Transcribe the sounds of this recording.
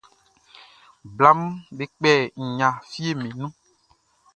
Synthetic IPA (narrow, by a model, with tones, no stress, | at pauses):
bla˦m˦be˦k͡pɛ˦˨ŋ̩˨ɲã˨fi˦e˦mĩ˨nũ˦